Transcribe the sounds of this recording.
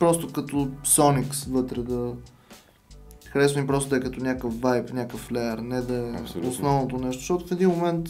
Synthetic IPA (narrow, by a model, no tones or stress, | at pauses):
pɾɔst̪ʊkɐt̪osɔniksvɤt̪ɾɛd̪ɐ | xɐɾɛsnipɾɔst̪od̪əjkət̪onʲakəfvajpnʲakəflɛəɾnɛd̪ɐɛosnɔvnot̪onɛʃt̪o̥ʃt̪ɔt̪ʊfɛd̪inmomɛnt̪